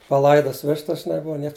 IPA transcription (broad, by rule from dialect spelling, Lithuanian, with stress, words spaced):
pɐˈlˠɐɪdɐs ˈʋʲɪʃtɐs ʒʲɪˈnɐɪ ˈbʊʋɐ ˈnʲiɛks